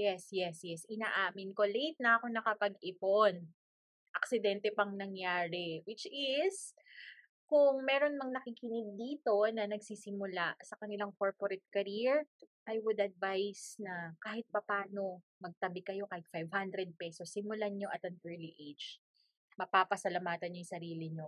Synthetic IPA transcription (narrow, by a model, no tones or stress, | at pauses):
jɛsjɛsjɛsʔɪnaːʔaːmɪnkolejt̪̚nɐʔɐko̞nɐkɐpɐɡʔɪpon | ʔɐksɪd̪ɛnt̪ɛpɐŋnɐŋjaːɾɛwɪt͡ʃɪs | kʊŋmɛːɾo̞nmɐŋnɐkikɪnɪɡ̪̚d̪iːt̪o̞nɐnɐɡsisɪmʊlasɐkɐnɪlaŋkoɹpoɾɛt̪̚kɐɾiɹʔajwʊd̪ɐd̪̚vajsnɐkaːhɪt̪̚pɐpaːno̞mɐɡ̚t̪ɐbɪkɐjo̞kaːhɪt̪̚fajvhand̪ɾɛd̪̚pɛsosːɪmʊlaɲo̞ʔɐt̪ɐŋʔɛɹliʔejd͡ʒ | mɐpapɐsɐlɐmaːt̪ɐnɲojsɐɾiːlɪɲo